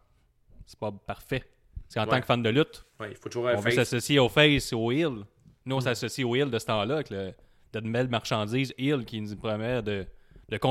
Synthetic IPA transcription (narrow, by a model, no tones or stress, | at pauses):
se̥pʌpaʁ̥fɛ | seɑ̃ːt̪ɑ̃kə̥fand̪əlyt̪wɛifot̪ʊʒuʁɔ̃vøsasɔsjeofɛsoɪl | nuɔ̃sasɔsioɪld̪əsə̥t̪ɑ̃lʌavɛklə | d̪ɛd̪bɛlmaʁʃɑ̃d͡ziːzɪlkʲiɛnzinpʁɔmjɛːʁd̪əd̪̥əkɔ̃